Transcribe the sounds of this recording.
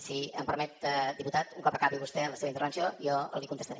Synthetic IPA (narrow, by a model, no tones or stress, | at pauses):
siəmpəɾmɛt̪̚əd̪iput̪at̪uŋkɔpəkaβiβust̪ɛənləseβint̪əɾβənsioijɔəlikunt̪əst̪əɾɛ